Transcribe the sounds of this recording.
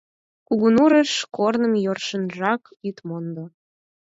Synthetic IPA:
kuɣunuɾəʃkornəmjorʃənʒɑk | yt̪mond̪o

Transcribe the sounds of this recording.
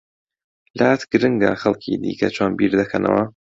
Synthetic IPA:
laːt̪ɡɨɾɨŋɡa̰xɐlˠcʰid̪ḭːkɐt͡ʃʰoːnbiːɾd̪ɐkʰɐnʔɐ̰wɐ

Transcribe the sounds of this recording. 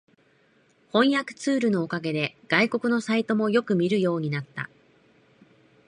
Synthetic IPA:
hõ̞ɰ̃jakɯ̟̥t͡sɨːɾɯ̟no̞ːkaɡe̞d̪e̞ɡ̥aiko̞kɯ̟no̞sait̪o̞mo̞jo̞kɯ̟mʲiɾɯ̟jo̞ːɲ̟inat̪ːa̰

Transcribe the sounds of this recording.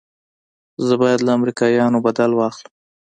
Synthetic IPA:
zəbɑjad̪laamɾikɑjɑnobad̪alwɑxləm

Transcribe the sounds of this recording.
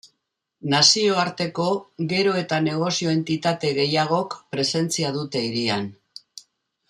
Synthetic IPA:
nasio̞aɾt̪e̞ko̞ɣe̞ɾo̞e̞t̪ane̞ɣ̞o̞sio̞e̞nt̪it̪at̪e̞ɣe̞jaɣ̞o̞kpɾe̞se̞nt͡siað̞ut̪e̞iɾian

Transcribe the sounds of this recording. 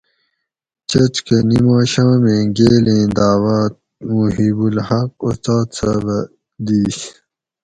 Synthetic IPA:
t͡ɕɐt͡ɕkenimãːɕãːmẽːɡeːlẽːd̪aːwaːt̪̚ | muɦibulhɐq̚ust̪aːt̪sa̰bɐ | d̪iːs

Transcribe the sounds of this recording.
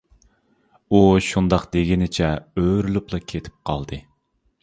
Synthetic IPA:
uʃund̪ɑqd̪eɡʲinɪt͡ʃʰɛøɾyluplˠɑkʲʰet̪ʰɪ̥p̚qʰɑ̰lˠd̪ɨ

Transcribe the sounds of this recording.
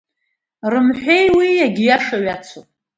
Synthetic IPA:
rɨmħʷᶣe̞jwijaɡʲijaʂaɥat͡sʰopʼ

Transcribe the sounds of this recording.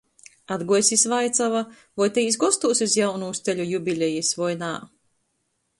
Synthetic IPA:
ad̪ɡuɔjsʲisʲvajt̪sava | vɔjt̪ɛjis̬ɡɔst̪uːsʲusjawnuːst̪eʎʲujubʲilʲejisvɔjna̰ː

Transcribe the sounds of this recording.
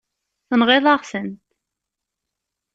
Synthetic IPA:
θənʁɪðˤɑʁsənt̪

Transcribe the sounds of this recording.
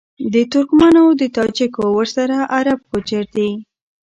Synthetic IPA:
d̪ət̪ʊɾkmɑnod̪ət̪ɑd͡ʒikowəɾsaɾaʔaɾab̚kot͡ʃaɾd̪i

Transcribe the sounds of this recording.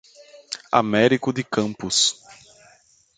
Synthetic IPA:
a̰mɛɾikʊd̪ɪkɐ̃mpʊs

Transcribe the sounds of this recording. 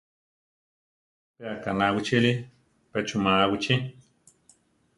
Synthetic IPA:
peakanawit͡ʃili | pet͡ʃumaːwit͡ʃi

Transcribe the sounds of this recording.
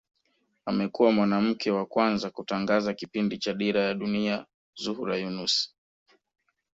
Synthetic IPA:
amɛkuwamwanam̩kʰɛwakwanzakutaŋɡazakipindit͡ʃaɗiɾajaɗunia | zuhuɾajunus

